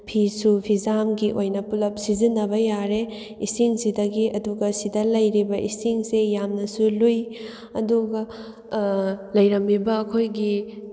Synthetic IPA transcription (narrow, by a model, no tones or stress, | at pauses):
pʰisupʰizamɡiʔojnɐpulɐp̚sizinːɐbɐjaɾe | isiŋsidɐɡiʔɐduɡɐsidɐlɐjɾibɐʔisiŋsejamnɐsuluj | ɐduɡɐ | lɐjɾɐmːibɐːkʰojɡi